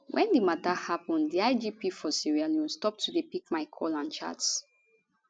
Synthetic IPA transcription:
wʔɛ̃ndimatahapɔ̃ndiaɪd͡ʒipifɔsiɹialjustɔp̚tʰudepikmaɪkʰɔlãnt͡ʃa̰ts

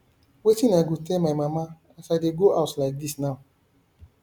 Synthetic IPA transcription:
wetĩnaɪɡotɛlmaɪmama | asaɪdeɡoʔaʊtlaɪk̚disnaʊ

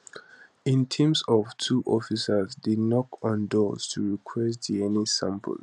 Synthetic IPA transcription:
ĩntʰɛ̃msɔv̥tʰuʔɔfisəzdinɔkɔ̃ndɔz̥tʰuɹikʰwɛstiɛnisãmpʰə̰l

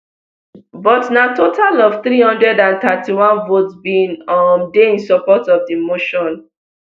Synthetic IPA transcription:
bɔtnatotʰalɔv̥θɹihɔ̃ndɹɛdãnt̪atʰiwɔ̃nvotsbĩnɔmdeĩnsɔpɔtɔvdimoʃɔ̃n

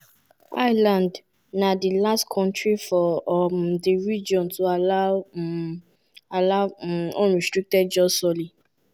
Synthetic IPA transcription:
ajlãnd | nadilastkʰɔ̃ntɾifɔdiɾid͡ʒɔ̃ntuala | alaɔ̃ɾistɾik̚tɛdd͡ʒɔsɔli

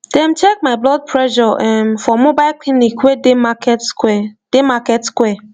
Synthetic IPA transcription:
d̥ɛ̃m̩t͡ʃek̚maɪblɔd̚pʰɹɛʒɔʔɛmfɔmʊ̃baɪkʰlinikwedemakɛtskɛd̥emakɛtskwɛ

